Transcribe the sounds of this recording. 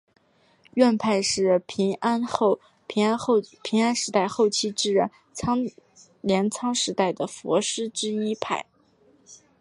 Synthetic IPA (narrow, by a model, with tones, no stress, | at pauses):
ɥɛ˥˧npʰa˥˧ɪʂɻ̩˥˩pʰi˧˥ŋa˥nxo˥˩ʊ˧˥ | pʰi˧˥ŋa˥nʂɻ̩˧˥t̪a˥˧ɪxo˥˩ʊt͡ɕʰi˥ʈ͡ʂɻ̩˥˧ɻə˥˩nʰɑ˥ŋ | ljɛ˧˥nt͡sʰɑ˥ŋʂɻ̩˧˥t̪a˥˩ɪd̪ə˩fwɔ̰˧˥ʂɻ̩˥ʈ͡ʂɻ̩˥i˥pʰa̰˥˩ɪ